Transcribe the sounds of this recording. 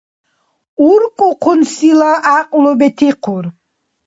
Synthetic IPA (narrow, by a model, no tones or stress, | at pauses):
uɾkʼuqʰunsilaʔːqʼlɔbɛt̪ʰiqʰuɾ